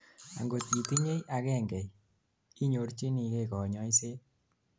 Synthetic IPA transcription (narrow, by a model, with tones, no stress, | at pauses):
a̰˨ŋɡo˨t̪ɡi˨ti˦ɲe˦jʔa˨kɛ˦˨ŋɡɛ˨j | i˦ɲo˨˦ɾt͡ʃi˦ni˨ke˦˨kɔ˨ɲɔ˦i˦se˦